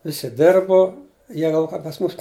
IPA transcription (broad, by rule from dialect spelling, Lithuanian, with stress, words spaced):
ˈʋʲɪsʲɪ ˈdʲɪrbʊ ˈjiɛ ɡɐlˠ ˈkɐ pɐs ˈmuːs